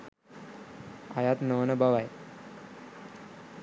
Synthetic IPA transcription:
a̰jat̪nəʋənəbaʋaj

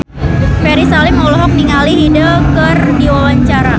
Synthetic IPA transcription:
pɛɾisalɪmɔlɔɦɔk̚niŋaliɦidəkərdiwawaɲt͡ʃaɾa

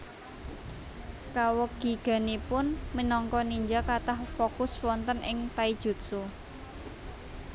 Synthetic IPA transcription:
kawəki̤ɡ̥a̤nipʊnmənɔŋkɔniɲd͡ʒakat̪ahfokʊswɔnt̪ənʔɪŋt̪aid̥ʒ̥ṳt̪su

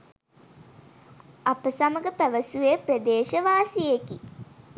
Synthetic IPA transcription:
apəsaməɡəpæʋəsueprəd̪eːʃəʋaːsijeki

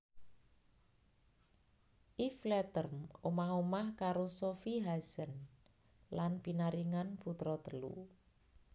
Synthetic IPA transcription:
ʔiflɛt̪ərmomaɦumahkaɾosofiɦasən | lanpinaɾiŋanput̪ɾɔt̪əlṵ

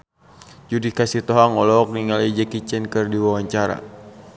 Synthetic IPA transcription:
d͡ʒudikasit̪ɔɦaŋɔlɔk̚niŋalid͡ʒakit͡ʃɛnkɨrdiwawaɲt͡ʃaɾa̰

